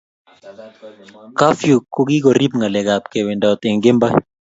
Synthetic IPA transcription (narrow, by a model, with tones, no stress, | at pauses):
ka˦fju˨ko˦ɡi˦ɡɔ˨ɾi˦pŋɡa˨lɛ˨ɡa˨p̚ke˨wɪ˨nda˨ɔ˨t̪ɪ˨ŋɡɪ˦mba˦